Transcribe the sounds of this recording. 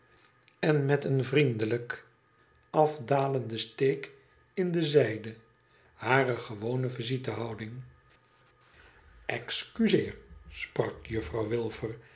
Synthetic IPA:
ɛnmɛtənvrindələk | ɑvdaːləndəstejk | ɪndəzɛjdə | haːrəχəʋownəvizitəɦɑwdɪŋ | ɛkskyzɪːɹsprɑkjɵfrɑwʋɪlˠvəɹ

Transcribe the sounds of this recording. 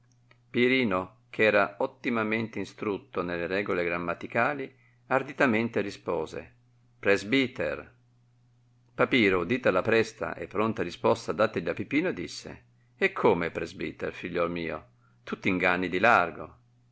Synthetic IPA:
piɾiːno | kʰɛːɾaot̪ːimament̪einst̪ɾut̪ːonelːeɾɛːɡoleɡɾamːat̪ikaːli | ard̪it̪ament̪eɾispoːzḛ | pɾɛzbit̪ḛr | papiːɾod̪iːt̪alapɾɛst̪a̰ʔḛpːɾont̪aɾispɔst̪ad̪aːt̪eʎːapipiːnod̪isːḛ | ekʰːoːmepɾɛzbḭːt̪ḛrfiʎːɔlmiːo̰ | t̪ut̪ːiŋɡanːid̪ilarɡo̰

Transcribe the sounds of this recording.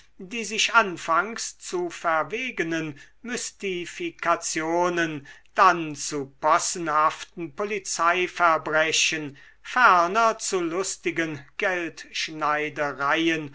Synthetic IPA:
diːzɪʃʔanfaŋst͡sufɛɐveːɡənən | mʏstifikʰat͡sjoːnənd̥ant͡supɔsn̩haftn̩polit͡saɪfɛɐbʁɛɕən | fɛɐnɐt͡sulʊstɪɡənɡ̥ɛltʃnaɪdəʁaɪən

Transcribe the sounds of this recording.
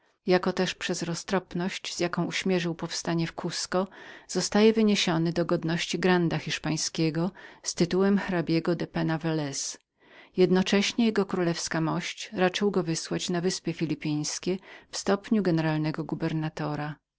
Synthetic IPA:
jakɔt̪ɛʂpʂɛzɾɔst̪ɾɔpnɔɕt͡ɕz̥ʲjakɔ̃w̃uɕmʲjɛʐɘwpɔfst̪aɲɛfkuskɔz̥ɔst̪ajɛvɘɲeɕɔnɘd̪ɔɡɔd̪nɔɕt͡ɕiɡɾand̪axʲiʂpaj̃skʲɛɡɔst̪ɘt̪uwɛmxɾabʲjɛɡɔd̪ɛpɛnavɛlɛs | jɛd̪nɔt͡ʂɛɕɲɛjɛɡɔkɾulɛfskamɔɕt͡ɕɾat͡ʂɘwɡɔvɘswat͡ɕnavɘspʲjɛfʲilʲipʲij̃skʲɛfst̪ɔpɲuɡɛnɛɾalnɛɡɔɡubɛɾnat̪ɔɾa

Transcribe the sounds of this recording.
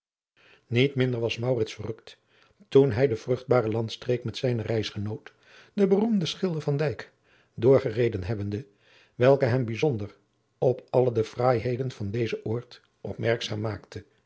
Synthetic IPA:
nitmɪndəɹʋɑsmɑwrɪtsfərɵkt | tunɦɛjdəv̥rɵχd̚baːrəlɑntstrejkmɛtsɛjnərɛjsχənowt | dəbərumdəsχɪlˠdəɹvɑndɛjk | dʊːɹχərejdənɦɛbəndə | ʋɛlˠkəɦɛmbizɔndər | ɔpɑlˠədəv̥raːjɦejdənv̥ɑndejzəʔʊːɹt | ʔɔ̰pmɛɹksaːmːaːktə

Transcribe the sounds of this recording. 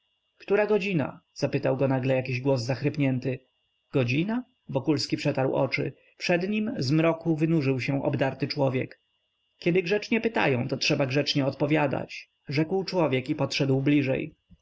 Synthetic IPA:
kt̪uɾaɡɔd͡ʑina̰z̥apɘt̪awɡɔnaɡlɛjakʲiʑɡwɔzːaxɾɘpɲɛnt̪ɘ | ɡ̥ɔd͡ʑina | vɔkulskʲipʂɛt̪aɾwɔ̰t͡ʂɘ̰ | pʂɛd̪ɲimzmɾɔkuvɘnuʐɘwɕɛw̃ʔɔ̰bd̪aɾt̪ɘt͡ʂwɔvʲjɛ̰k | kʲɛd̪ɘɡʐɛt͡ʂɲɛpɘt̪a̰jɔ̃w̃t̪ɔtʂɛbaɡʐɛt͡ʂɲɛɔt̪pɔvʲjad̪a̰t͡ɕ | ʐɛkwt͡ʂwɔvʲjɛkipɔtʂɛd̪wblʲiʐɛ̰j

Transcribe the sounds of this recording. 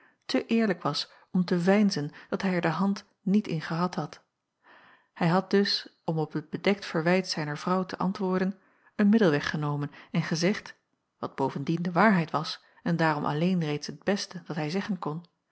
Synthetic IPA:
tʰəʔɪːɹləkʋɑs | ɔmtəvɛjnzənd̥ɑtɦɛjɛɹdəɦɑnt | nitɪ̰nχəɦɑtɦɑt | hɛjɦɑt̚d̥ɵsɔmɔpət̚b̥ədɛk̚tfəɹʋɛjtsɛjnəɹvrɑwtʰəʔɑ̰ntʋʊːɹdən | ənmɪdəlˠʋɛχənowmənɛnχəzɛχt | ʋɑd̚b̥owvəndindəʋaːɹɦɛjtʋɑs | ɛndaːɾɔmʔɑ̰lejnrejtsɦəd̚b̥ɛstədɑtɦɛjzɛχənkɔn

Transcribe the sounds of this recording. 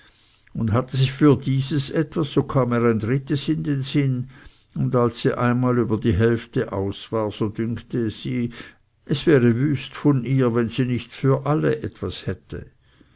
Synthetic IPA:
ʊnthatəzɪçfyːɐdiːzəsʔɛtv̥asːoːkʰaːmeːʁaɪndʁɪtəsɪndeːnzɪn | ʊndalsːiːʔaɪnmaːlyːbɐdiːɦɛlftəʔa̰ʊsv̥aːɐz̥oːdʏŋktəz̥iː | ʔɛsv̥ɛːʁəvyːstfɔnʔiːɐvɛnziːnɪçtfyːɐʔaləʔɛtv̥ashɛtə̰

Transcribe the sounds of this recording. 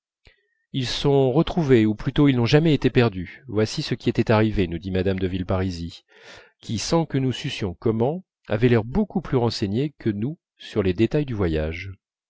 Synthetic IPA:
ilsɔ̃ʁət̪χuveuplyt̪oilnɔ̃ʒamɛet̪epɛʁd̪yvwasisəkʲiɛt̪ɛt̪aʁivenud̪imad̪amd̪əvilpaʁizi | kʲʰisɑ̃kənusysjɔ̃kɔmɑ̃ | a̰vɛlɛʁbokuplyʁɑ̃seɲekʰənu | syʁled̪et̪ajd̪yvwajaʒ

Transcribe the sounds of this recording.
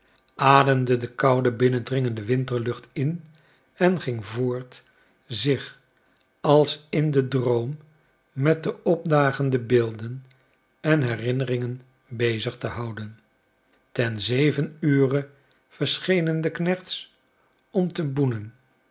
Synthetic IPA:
ʔaːdəmdədəkʌwdəbɪnəndrɪŋəndəʋɪntəɹlɵχtɪn | ɛnχɪŋvʊːɹt | zɪχ | ɑlˠsɪndədrowmː | ɛt̚dəɔb̚daːχəndəbɪːlˠdən | ɛnɦɛrɪnərɪŋən | bejzəχtəɦʌwdən | tɛnzejvənyːrə | v̥əɹsχejnəndəknɛχts | ɔmtəbunən

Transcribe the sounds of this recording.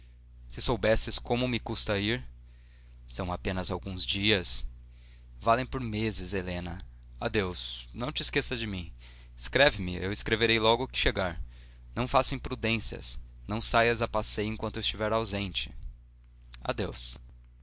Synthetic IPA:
sɪsowbɛsɪskõmʊmɪkust̪ɐiɾ | sɐ̃w̃apẽnɐzawɡũzd͡ʒiɐs | valẽj̃poɾmezɪzelẽnɐ | ad̪ewsnɐ̃w̃t͡ʃɪskesɐd͡ʒɪmĩ | ɪskɾɛvɪmɪewɪskɾeveɾejlɔɡʊkɪ̥ʃeɡaɾ | nɐ̃w̃fasẽj̃pɾud̪ẽsiɐ̰snɐ̃w̃sajɐzapasejẽŋkwɐ̃nt̪ʊɪst͡ʃivɛɾawzẽnt͡ʃɪ̥ | a̰d̪ews

